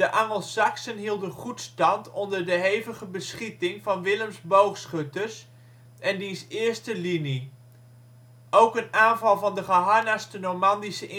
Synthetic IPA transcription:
dəʔɑŋəlˠsɑksənɦilˠdənχutstɑntɔndəɹdəɦejvəχəbəsχitɪŋvɑnʋɪləmzbowχsχøtəs | ɛndisɪːɹstəlini | ʔowkənaːnvɑlˠvɑndəχəɦɑɹnastənomɑndisəʔɪ

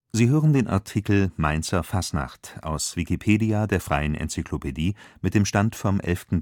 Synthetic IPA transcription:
ziːɦøːʁəndeːnʔa̰ɐtʰikl̩maɪnt͡sɐfasna̰χtʔa̰ʊsv̥ikipʰeːdiadeːɐfʁ̥aɪənʔɛ̰nt͡sikʰlopʰediːmɪt̚d̥eːmʃtantfɔmʔɛ̰lftn̩

